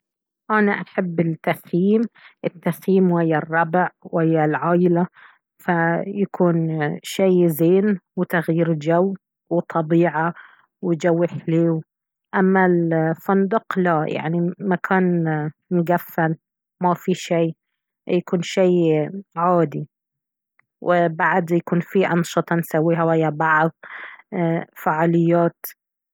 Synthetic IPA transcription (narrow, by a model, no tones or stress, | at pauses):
ʔanaʔaħabːɪlt̪ːaxjiːmʔɪt̪ːaxjiːmwɪjːarˤːɑbʕwɪjːalʕaːʔɪla | fajakuːnʃajzeːnwɪt̪aɣjiːɾd͡ʒaw | wɪt̪ˤʰɑbiːʕa | wɪd͡ʒawːɪħleːw | ʔamːalfand̪ʊqlaja̰ʕnimakʰaːnmʊɡafːal | mafiʃiː | jakuːnʃeːʕaːd̪i | wɪbaʕd̪jakuːnfiʔɑnʃɨt̪ˤɑnsawːiːɦawhɪjːabɑʕðˤ | faʕaːlɪjːaːt̪